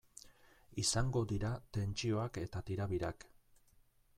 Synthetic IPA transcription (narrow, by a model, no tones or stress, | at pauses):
isaŋɡo̞d̪iɾat̪e̞nt͡ʃio̞ake̞t̪at̪iɾaβiɾak